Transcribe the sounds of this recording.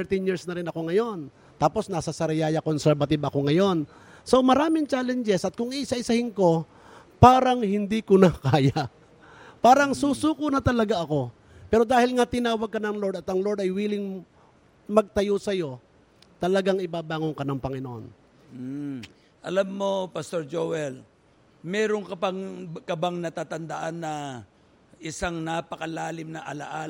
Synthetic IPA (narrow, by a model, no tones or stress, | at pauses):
t̪ɛɹt̪ɪnjiɹsnɐɾɪnɐko̞ŋɐjo̞n | t̪aːpo̞snɐsɐsɐɾɪjaːjɐkonsɛɾbɐt̪ɪbɐko̞ŋɐjo̞n | so̞mɐɾaːmɪŋt͡ʃaːlɛnd͡ʒɛsʔɐt̪̚kʊŋiʔsaʔɪsɐhɪŋko̞ | paːɾɐŋhɪnd̪ikʊnɐkaːja | paːɾɐŋsuːsuːkʊnɐt̪ɐlɐɡaʔɐko̞ | pɛːɾo̞d̪aːhɪlŋat̪ɪnaːwɐɡ̚kːɐnɐŋloɾd̪ɐt̪ɐŋloɹd̪ɐjwiːlɪŋ | mɐɡ̚t̪ɐjosɐjo̞ | t̪ɐlɐɡaŋɪbaːbaːŋoŋkɐnɐŋpɐŋɪnoʔo̰n̩ | ʔɐ̰lamːo̞pɐst̪oɾd͡ʒowɛl | mɛːɾoŋkɐpɐŋkɐbaŋnɐt̪at̪ɐnd̪aʔanːɐ | ʔɪsaŋnapɐkɐlaːlɪmnɐʔɐla̰ʔa